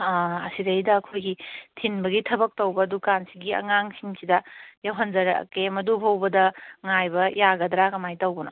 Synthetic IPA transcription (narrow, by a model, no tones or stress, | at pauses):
ɐ̰siɾɐjdɐːkʰojɡitʰinbɐɡitʰɐbɐk̚tɐwbɐdukansiɡiɐ̰ŋaŋsʰiŋsidɐjɐwɦɐnzɐɾɐ̰kemɐdubʰʱɐwbɐdɐŋajbɐjaɡɐdɾaɡɐmajtɐwbɐno